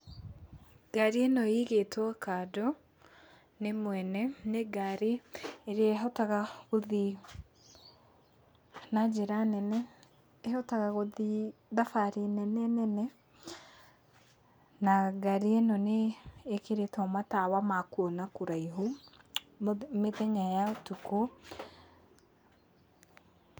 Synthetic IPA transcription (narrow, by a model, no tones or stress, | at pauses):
ɡ̥aɾienɔiɣetwakadɔ | nemwɛnɛneɡaɾeeɾeɛɦɔtaɣaɣoði | nad͡ʒeɾanɛnɛ | ehɔtaɣaɣoðiðafaɾenɛnɛnɛnɛ | naɡaɾienɔneːkeɾetʰɔmatawamakwɔnakuɾaiɦo | meðɛɲajaotuko